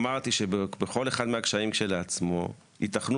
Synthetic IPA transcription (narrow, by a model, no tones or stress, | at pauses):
maʁt̪iʃe̞bebeχo̞le̞χad̪meakʃaimʃe̞lat͡smo̞̰ | itaχnu